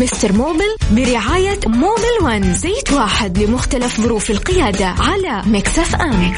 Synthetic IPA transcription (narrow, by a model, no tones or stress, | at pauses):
mɪst̪ɑɾˤmoːbɪlbɪɾɪʕaːjamoːbɪlwanzeːt̪waːħɪd̪lɪmʊxt̪alafðˤʊɾuːfɪlqɪjaːd̪aʕalamaksafʔam